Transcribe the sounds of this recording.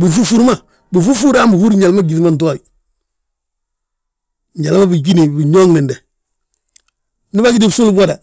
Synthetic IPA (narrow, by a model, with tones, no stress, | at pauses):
bu˨ɾfu˦fu˦ɾma˦˨ | bu˨fu˦fu˦ɾa˦mbu˨hu˦ɾɲa˨lma˦ɡi˨ti˦ma˦nt̬a˦i | ɲɟa˨lma˦bi˨ɡi˦ni˨bi˨ɲoː˦ŋnɛ˨ndɛ˨ | ni˦ba˦ɡi˦di˦bsu˦lba˦da˨